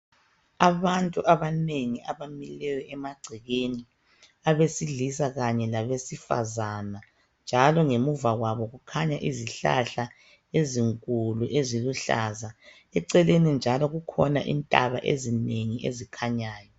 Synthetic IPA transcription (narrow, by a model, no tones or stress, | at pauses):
aβantʼuʔaβaneŋiaβamilɛjɔʔɛmaɡ͡ǀʱiɣeni | aβesiɮisaɣaɲɛlaβesifa̰zana | nd͡ʒʱalɔŋemuvaɣwaβɔɣukʰaɲaʔiziɬa̰ɬa | eziŋkʼuluʔeziluɬaːza | ɛǀɛlenind͡ʒʱalɔɣukʰɔna̰ʔḭntʼa̰βa̰ʔḛzineŋiʔḛzikʰaɲaːjɔ